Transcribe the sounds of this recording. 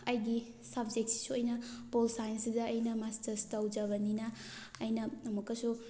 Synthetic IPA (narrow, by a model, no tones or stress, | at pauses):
ɐjɡi | sɐbd͡ʒek̚t̚si̥sujnɐpolsajnsidɐːjnɐmastɐɾstawd͡ʒɐbɐninɐːjnɐɐmukɐsu